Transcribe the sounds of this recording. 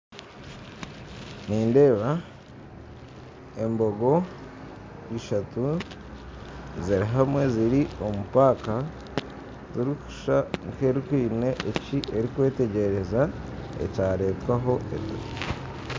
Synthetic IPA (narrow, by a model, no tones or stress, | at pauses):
niːnde̞ːβa | e̞mbo̞ɡo̞ | iʃatu | ziɾiɦamwe̞ziɾio̞mupaka | ziɾiku̥ʃaŋke̞ɾikwiːne̞ʔːciʔe̞ɾikwe̞ːte̞ɟe̞ɾe̞zaḛcaːɾe̞ːtwaɦo̞ʔḛto̰